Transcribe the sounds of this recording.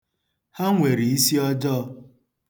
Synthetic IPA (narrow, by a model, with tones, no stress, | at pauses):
ha˦ŋʷe˨ɾi˨i˦si˦ɔ˦d͡ʒɔ˦